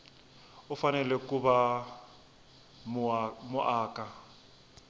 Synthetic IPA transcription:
ʊfanɛlɛkuβa | mmʊʔaːka

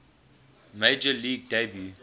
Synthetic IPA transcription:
meɪd͡ʒəliːɡ̚debju

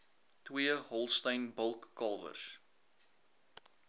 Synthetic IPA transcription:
twiəɦɔlˠstəjnbəlˠkːɐlˠvə̰rs

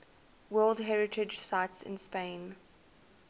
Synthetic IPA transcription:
wɜːlˠdɦɛɹɪtʰɪd͡ʒsaɪtsɪ̰̃nspẽɪ̃n

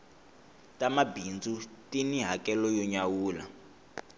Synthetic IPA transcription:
tʼamabind͡zutiniɦakɛlɔjɔɲawuːla

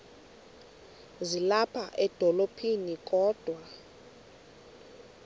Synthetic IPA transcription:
zilapʰaʔɛd̥ʱɔlopʰinikʼɔːd̥ʱwa

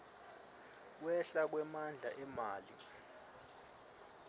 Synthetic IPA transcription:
k̬wɛɬak̬wɛmand͡ɮʱaʔɛmaːli

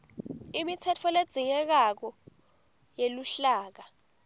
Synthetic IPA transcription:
imitʰɛtʰɔled̥z̥ʱiŋɛk̬ak̬ɔ | jeluɬaːk̬a

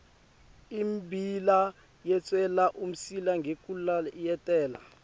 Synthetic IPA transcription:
imbʱila | jɛt͡sʼwɛlaʔum̩silaŋɡʱekʼulajɛtʼɛːla̰

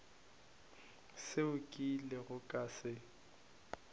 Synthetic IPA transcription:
sɪʊkʼilɪɣʊkʼasɪ

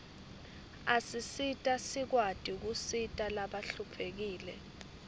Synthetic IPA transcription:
asisitʼasik̬wad̥ʼik̬usitʼalaɓaɬupʰek̬iːlɛ̰

